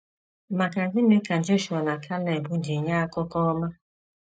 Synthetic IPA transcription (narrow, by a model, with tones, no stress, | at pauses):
ma˨ka˨zɪ˦me˦ka˨d͡ʒo˦ʃu˨a˨na˨kʰa˦le˨bu˦di˨ɲa˦a˦kɔ˦kɔ˦ma˦